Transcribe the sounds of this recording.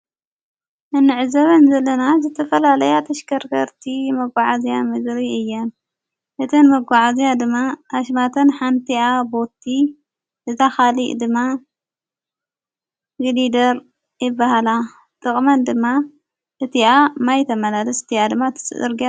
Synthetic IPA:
ʔɨnːɨʕɨzɐβɐnzɐlːɐnazɨt̪ʰɐfɐlalɐjat̪ʰɐʃkʰɐɾɡɐɾt̪ʰimɐɡʷaʕazijamɨd̪ɾiɨjːɐn | ʔɨt̪ʰɨnmɐɡʷaʕazijad̪ɨmːaʔaʃmat̪ʰɐnħant̪ʰiabo̞t̪ʰːi | ɨt̪axaliʔd̪ɨmːa | ɡɨlid̪ɐɾ | jɪbːahala | t̪ʼɨχʼmɐnd̪ɨmːa | ʔɨt̪ʰiamajt̪ʰɐmɐlalɐsɨt̪ʰiad̪ɨmːat̪ʰɨ̥sɨʔɨɾɡia

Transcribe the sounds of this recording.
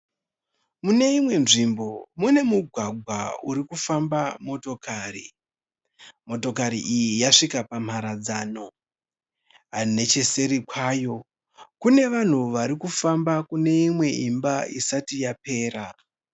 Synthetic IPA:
mune̞imwe̞nʐimbo̞mune̞muɡʱwaɡʱwa̰uɾikufambamo̞to̞kʰaːrḭ | mo̞to̞k̬aɾḭʔijijaʂikapam̤aɾad͡zaːno̞ | ɦane̞t͡ʃe̞se̞ɾikwaːjo̞ | kune̞ʋan̤uʋaɾikufambakune̞imwe̞ʔimbaisatijape̞ːɾa

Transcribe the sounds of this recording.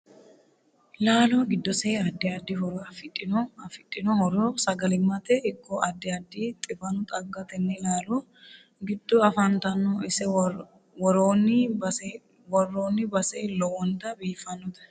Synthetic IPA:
laːloːɡɪd̪ːɔseːɐd̪ːɪɐd̪ːɪɦɔɾɐfɪtʼːɪnɔfɪᶑʼːɪnɔhɔɾoːsɐɡɐlɪmːɐt̪ɛʔɪkːɔʔɐd̪ːɪɐd̪ːiːt̪ʼɪbɐnʊt̪ʼɐɡːɐt̪ɛnːɛlaːloː | ɡɪd̪ːɔɐfɐnt̪ɐnɔɪsɛ | wɔɾoːnːɪbɐs | wɔrːoːnːɪbɐseːlɔwɔnt̪ɐbiːfːɐnːɔt̪ɐ̥

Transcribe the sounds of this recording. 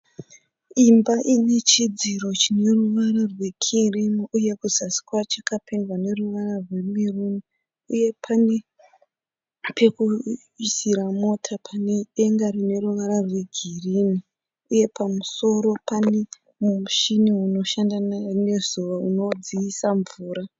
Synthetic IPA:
imbaʔine̞t͡ʃid͡ziɾo̞t͡ʃine̞ruʋaɾarwe̞kʰirimuuje̞kuzasi̥kwat͡ʃakapendwane̞ruʋararwe̞miruni | uje̞pʰane̞ | pʰe̞ku | isiɾamo̞tʰapʰane̞eŋɡaɾine̞ɾuʋaɾarwe̞ɡʱirini | uje̞pʰamuso̞ɾo̞pane | mumuʃiniuno̞ʃandanane̞zuʋauno̞d͡ziisaɱvuːɾa

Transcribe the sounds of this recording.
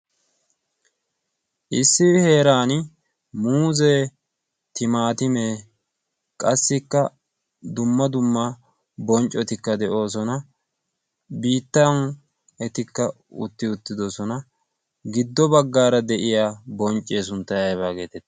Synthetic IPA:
ʔɪsːɪhe̞ːɾaːn | muːzeː | t̪ɪmaːt̪ɪmeː | kʼɐsːɪkːɐ | d̪ʊmːɐd̪ʊmːɐ | bɔnt͡ʃʼːɔt̪ɪkːɐd̪ɛʔo̞ːs̬ɔnɐ | biːt̪ːɐn | ɛt̪ɪkːɐ | ʊ̰t̪ːɪʊt̪ːɪd̪ɔsɔnɐ | ɡɪd̪ːɔbɐɡːaːɾɐd̪ɛʔɪjaːbɔnt͡ʃʼːeːsʊnt̪ːɐjɐjβaːɡeːt̪ɛt̪ː

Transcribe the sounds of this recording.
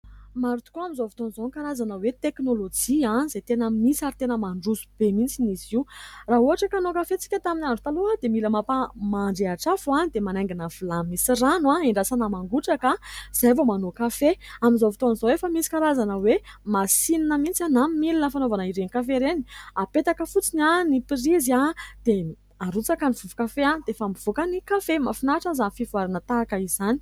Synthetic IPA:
maɾut̪u̥koamizovi̥t̪onizoŋkaɾazanəwet̪eknolod͡ʒianizet̪enəmisaɾit̪enəmaɳɖ͡ʐuzub̥emint͡siniziuraɦuɦaʈ͡ʂəkanokafet͡si̥kʲət̪aminaɳɖ͡ʐut̪aload̪emiləmapamaɳɖ͡ʐeaʈ͡ʂafuanid̪emanaŋɡinəv̥ulamisiranwaiɳɖ͡ʐasanamaŋɡuʈ͡ʂakaz̥ajvomanokafeaminzovit̪onizoefəmisi̥kaɾazanəwemasininəmint͡sanammilinəfanovanaiɾenikafeɾeni̥apet̪akəfut͡sinanipiɾizad̪̥e | aɾut͡sakaniv̥uvukafeand̪eefamiv̥ukanikafemafinaʈ͡ʂazanfivuaɾinət̪aːkəizani̥

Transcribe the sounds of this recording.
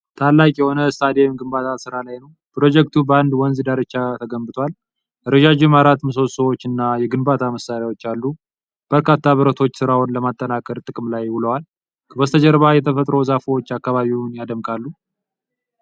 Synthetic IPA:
t̪ʰalːakʼjɛho̞nəst̪ʰad̪emɡɨmbat̪ʰatsɨɾalajnəw | pɾo̞d͡ʒɛk̚t̪ʰubəand̪wɔnzɨd̪aɾɨt͡ʃːat̪ʰəɡəmbɨt̪ʰwal | ʔɨɾəd͡ʒad͡ʒɪmaɾat̪mɨs̬osəwot͡ʃːɨnːajɛɡɨnbat̪ʰaməsːaɾjawo̞t͡ʃːalːu | b̥əɾkʰat̪ːaβɨɾət̪ʰo̞t͡ʃːsɨɾawnləmat̪ʼːənakʼəɾt̪ʼɨkʼmlajwɨləwal | kʰəbəst̪ʰəd͡ʒɛɾβajɛt̪ʰəfət̪ʼɾo̞zafəwot͡ʃːakːaβaβiunjad̪əmkʰʼalːu

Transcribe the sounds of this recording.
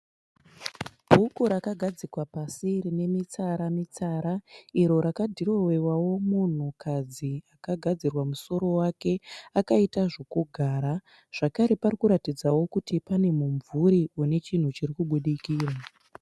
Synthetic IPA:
b̥ʱukuɾakaɡʱad͡zikwapasirine̞mit͡saɾamit͡saɾaiɾo̞ɾakadʱiro̞we̞wawo̞mun̤ukʰad͡ziakaɡʱad͡zirwamuso̞ɾo̞wake̞akaitaʐo̞kuɡʱaːɾa | ʐ̥akaɾe̞parikuɾatid͡zawo̞kutipane̞muɱvuɾiune̞t͡ʃin̤ut͡ʃirikuɓuɗikiːra

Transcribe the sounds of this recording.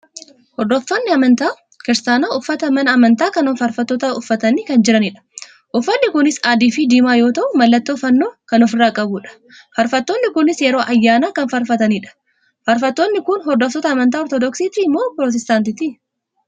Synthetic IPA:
hɔɾd̪ɔfːɐnːɪɐmɐnt̪aː | kɪɾsaːnaːʊfːɐt̪ɐmɐnɐɐmɐnt̪aːkɐnɔfɐɾfɐt̪ːɔt̪ɐʊfːɐt̪ɐniːkɐnd͡ʒɪɾɐnɪᶑɐ̥ | ʔʊfːɐnːɪkʊnɪsaːd̪iːfiːd̪iːmaːjo̞ːt̪ɐʔʊmɐlːɐt̪ːoːfɐnːoːkɐnɔfɪrːaːkʼɐbuːᶑɐ̥ | fɐɾfɐt̪ːoːnːɪkʊnɪsjɛɾo̞ːʔɐjːaːnaːkɐnfɐɾfɐt̪ɐniːᶑɐ̥ | fɐɾfɐt̪ːonːɪkʊnɦɔd̪ɔft̪ɔt̪ɐːmɐnt̪aːɔɾt̪ɔd̪ɔksiːt̪imːoːpɾot̪ɛst̪aːnt̪ɪt̪iː

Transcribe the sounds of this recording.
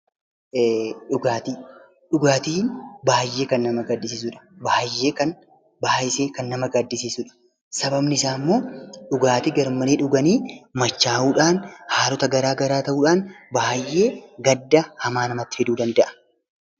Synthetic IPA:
ᶑʊɡaːt̪i | ᶑʊɡaːt̪iːnbaːjːe̞ːkɐnːɐmɐɡɐd̪ːɪsiːs̬ʊᶑɐ̥baːjːe̞ːkɐn | baːʔɪseːkɐnːɐmɐɡɐd̪ːɪsiːsʊᶑɐ̥ | sɐbɐbnɪɪsaːmːo̞ːᶑʊɡaːt̪iɡɐɾmɐneːᶑʊɡɐniːmɐt͡ʃːaːʔuːᶑaːnhaːlɔt̪ɐɡɐɾaːɡɐɾaːt̪ɐʔuːᶑaːnbaːjʔːe̞ːɡɐd̪ːɐhɐmaːnɐmɐt̪ːɪ̥fɛd̪uːd̪ɐnd̪ɐʔɐ̥

